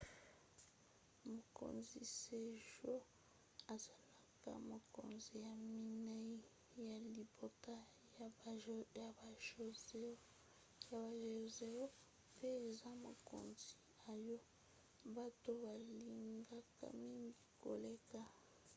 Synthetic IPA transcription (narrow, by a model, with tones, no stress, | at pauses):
mo˨ko̰˨nzi˨se˨ʒo˦ | a˨za˨la˨ka̰˦˨mo˨ko̰˨nzi˨ja˨mi˦na˦i˦ | ja˨li˨bo˦ta˦ | ja˨˦ja˨ba˨˦ | a˨ba˨ʒe˨ze˦o˦ | pe˦e˨za˦mo˨ko̰˨nzi˨ | a˨jo˦ | ba˦to˦ba˨li˨ŋɡa˦ka̰˦mi˦ŋɡi˦ko̰˨le˦ka˦